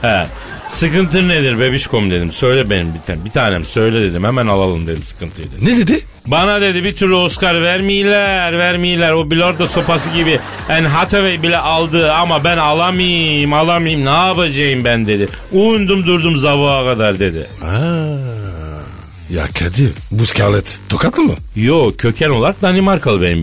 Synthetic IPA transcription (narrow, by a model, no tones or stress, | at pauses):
ɛ̰ | sɯkɯnt̪ɯned̪iɾbebiʃkʰo̞mud̪e̞d̪imsø̞jlʲɛbenimbit̪ʰbit̪ʰaːnemisø̞jlʲɛd̪e̞d̪imhɛmænalˠalˠɯ̰md̪e̞d̪imsɯ̥kʰɯnt̪ʰɯjd̪ned̪ed̪i | banad̪e̞d̪ibit̪ʰyɾlʲyo̞skaɾvæɾmijilʲæɾvæɾmijilʲæɾobilʲɛoɾd̪aso̞pas̬ɯɟibi | ænɦat̪ʰevejbilʲɛʔalˠd̪ɯamabænalˠamɯjɯmalˠamɯjɯmnabad͡ʒajɯmbænd̪e̞d̪ɪujund̪umd̪uɾd̪umzavaakʰad̪aɾd̪e̞d̪ɪ̰a | ja̰kʰad̪ibuscʰaːlʲˠɛt̪t̪ʰokʰat̪ʰɯmɯ̰ | joːcʰø̞cʰæno̞lˠaɾk̚d̪animaɾkʰalˠɯbenim